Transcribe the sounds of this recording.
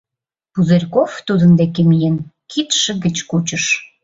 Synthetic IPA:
puzerʲkoft̪ud̪ənd̪ekemijenkʰit̪ʃə̆ɣə̆t͡ɕkut͡ɕə̆ʃ

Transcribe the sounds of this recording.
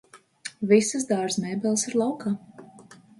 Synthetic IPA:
visɨs̬d̪aːɾsmɛːbɛlˠsiɾlˠawkaː

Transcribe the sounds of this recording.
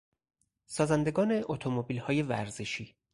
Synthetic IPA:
sɒːzænd̪e̞ɡɒːne̞ʔot̪ʰomobiːlhɒːje̞væ̰ɾzeʃiː

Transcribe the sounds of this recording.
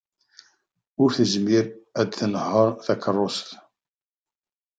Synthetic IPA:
ʊɾθəʒmiɾæd̪θənəhːəɾˤθækʰərˤːosθ

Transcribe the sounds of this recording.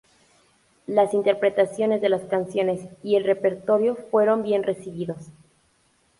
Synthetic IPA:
lasint̪e̞ɾpɾe̞t̪asjo̞ne̞zðe̞laskansjo̞ne̞sie̞lre̞pe̞ɾt̪o̞ɾjo̞fwe̞ɾo̞mbje̞nre̞siβiðos

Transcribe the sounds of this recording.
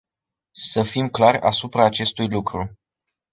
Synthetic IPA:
səfimklarʲa̰supɾaːt͡ʃe̞st̪ujlukɾu

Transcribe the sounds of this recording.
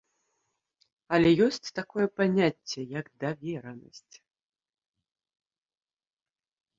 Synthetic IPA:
ɐlʲɛjɔsʲt͡sʲt̪akɔjɛpanʲat͡sʲːɛjɐɡd̪avʲɛɾɐnɐ̰sʲt͡sʲ

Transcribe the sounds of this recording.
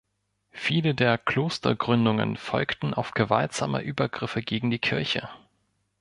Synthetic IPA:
fiːlədeːɐkʰl̥oːstɐ̰ɡʁʏndʊŋə̰nfɔ̰lktn̩ʔa̰ʊfɡ̥əvaltz̥a̰ːmə̰ʔyːbɐɡʁɪfəɡeːɡŋ̩diːkʰɪɐçə̰

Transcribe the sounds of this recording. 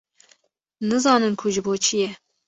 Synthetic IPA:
nɨzɑːnɨnkʰʊʒɨboːt͡ʃʰijɛ

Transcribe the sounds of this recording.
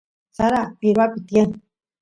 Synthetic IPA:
saɾapiɾapit̪jan

